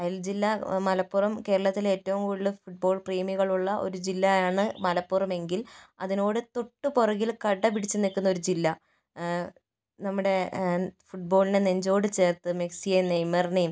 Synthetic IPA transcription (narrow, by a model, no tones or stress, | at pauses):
ɐjɐld͡ʑilːɐmɐlɐpːurɐmke̞ːɾɐɭɐt̪ːile̞ːtːɐʋumkuːɭːɨfuʈ̚bo̞ːɭpriːmiɣɐɭuɭːɐʔo̞̰ɾud͡ʑilːɐjaːɳɨmɐlɐpːurɐme̞ŋɡilɐðino̞ːɽɨt̪oʈːɨporɐɣilkɐɽːɐp̬iɽit͡ɕːɨnikːunːo̞ɾud͡ʑilːɐ | nɐmːuɽe̞fuʈ̚bo̞ːɭineneɲd͡ʑo̞ːɽɨt͡ɕe̞ːrt̪ːɨmeksienejmːɐrnijm